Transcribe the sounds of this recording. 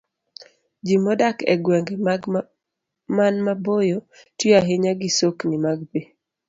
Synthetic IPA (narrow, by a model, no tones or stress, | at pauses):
d͡ʒimɔdakɛ̰ɡwɛŋɡeɡ | manmabojo | tiaɦeɲaɡɪsoknɪmaɡbe